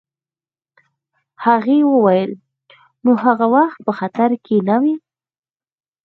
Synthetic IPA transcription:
haɣewəwajəl | nohaɣawaxt̪̚pəxat̪aɾkʰenawi

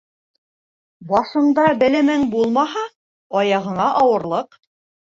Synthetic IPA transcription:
bɑʃɤ̆nd̪ɑbɘ̆læmæŋbulˠmɑɦɑ | ɑjɑʁɤ̆ɴɑʔɑwɤ̆ɾlˠɤq

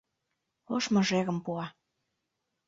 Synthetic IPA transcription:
oʃmɤ̆ʒeɣə̆mpuɑ

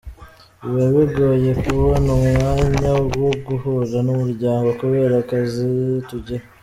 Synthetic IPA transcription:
βeβiɡo̞je̞kuβonomŋaːɲaɡwoɡuhuzanomuɾɟaːŋɡo̞kuβe̞ːɾakazituɟa

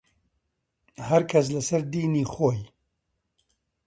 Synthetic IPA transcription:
hɐɾkʰɐs̬lɐsɐɾd̪iːniːxoːj

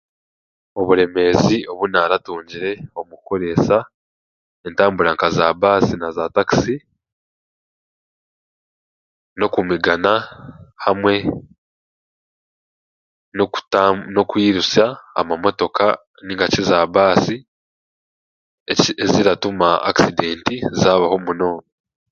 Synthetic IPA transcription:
o̞βuɾe̞me̞ːzio̞βunaːɾatuːɲɟiɾe̞o̞muko̞ɾe̞sa | entaːmbuɾaŋkazaːβaːsinazaːtaki̥si | no̞kumiɡanahamwe̞ | noku̥no̞kwiːɾusa̰ːmamo̞to̞ka | niŋɡacizaːβaːsi | eziɾatumaa̰kside̞ːntizaːβaho̞muno̞ːno

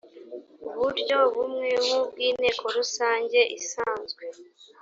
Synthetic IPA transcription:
uβuɾɟo̞βumŋemubɡiːne̞ːkʰo̞ɾusaːɲɟe̞ʔisaːnzɡwe̞

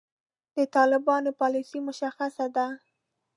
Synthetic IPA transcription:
d̪ət̪ɑlɪbɑnopɑlisimʊʃaxasad̪a

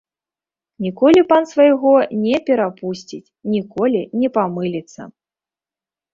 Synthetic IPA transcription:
nʲikɔlʲipansvajɣɔnʲɛpʲɛɾapusʲt͡sʲit͡sʲnʲikɔlʲinʲɛpamɨlʲit̪sːɐ̰

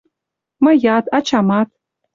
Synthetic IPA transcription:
mɤ̆jɑt̪ɑt͡ɕɑmɑt̪̚

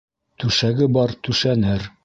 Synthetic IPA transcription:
t̪ʉʃæɡɘbɒɾt̪ʉʃænɘɾ

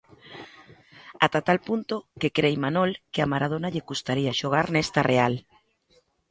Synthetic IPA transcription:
at̪at̪alpunt̪okekɾejmanolkeamaɾað̞onaʎekust̪aɾiaʃoɣ̞aɾnɛst̪arʔeal

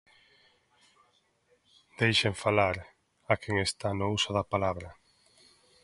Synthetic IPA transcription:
d̪̥ejʃeɱfalaɾ | akʰeŋest̪anousoðapalaβɾɐ

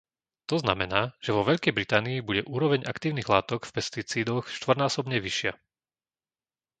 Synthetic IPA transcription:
t̪ɔzna̰mɛnaːʒ̥ɛʋɔʋɛʎkɛjbɾit̪aːniːbuɟɛʔuːɾɔʋɛɲʔakt̪iːʊniɣlaːt̪ɔkfpɛst̪it͡siːd̪ɔxʃt̪ʋr̩naːsɔbɲɛʋiʃɪa

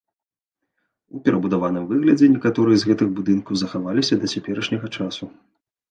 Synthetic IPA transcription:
upʲɛɾʔɐbud̪avanɨmvɨɣlʲɐd͡zʲɛnʲɛkat̪ɔɾɨjɛzɣɛt̪ɨɣbud̪ɨnkɐwzɐxavalʲisʲɐd̪ɐt͡sʲapʲɛɾɐʂnʲɐɣɐt͡ʂasu

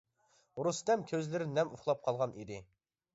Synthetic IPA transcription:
ɾust̪ɛmkʲʰøzlɪɾɪnɛmuχlˠɑp̚qʰɑlˠʁɑnid̪ɪ

